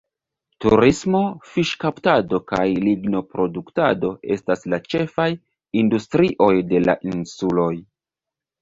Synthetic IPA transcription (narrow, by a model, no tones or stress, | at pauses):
tuɾismo̞fiʃkaptado̞kajliɡno̞pɾo̞duktado̞e̞̰staslat͡ʃe̞faj | industɾiʔo̞jde̞la̰ʔinsulo̞j